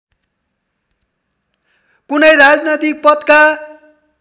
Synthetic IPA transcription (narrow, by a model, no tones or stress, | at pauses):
kunʌjɾad͡znʌt̪ik̚pʌt̪ka